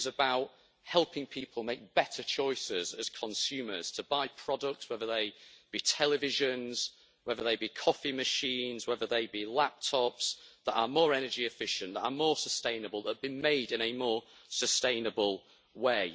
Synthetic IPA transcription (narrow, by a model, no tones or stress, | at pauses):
zəbaʊʔ | hɛlˠpɪ̃ŋpʰiˑpʰəlˠmeɪk̚b̥ɛtʰət͡ʃʰɔɪsɪzəz̥kʰə̃nsʉːməz̥tʰəbaɪpʰɹ̥ɒdək̚tswɛðəðeɪb̥itʰɛlɪvɪʒə̃nz̥ | wɛðəðeɪbikʰɒfɪməʃĩːnzwɛðəðeɪbilap̚tʰɒpsðəʔə̰mɔːɹɛnəd͡ʒiɪfɪʃə̃nʔðəʔəmɔːsəstẽɪ̃nəbəlˠðəʔ̚b̥imeɪdɪ̃ñəmɔːsəstẽɪ̃nəbəlˠ | weɪ